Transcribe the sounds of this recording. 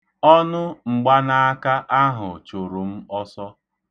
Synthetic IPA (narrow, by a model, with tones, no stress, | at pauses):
ɔ˦nʊ˦ŋ͡m̩˨ɡ͡ba˦na˦a˦ka˦ʔa˦ɦʊ˨t͡ʃo˨ɾu˨m̩˦ɔ˦sɔ˦